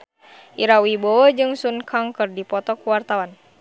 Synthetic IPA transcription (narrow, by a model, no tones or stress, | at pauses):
ʔiɾawibɔɔd͡ʒɨŋsunkʰaŋkɨrdipɔt̪ɔkuwart̪awan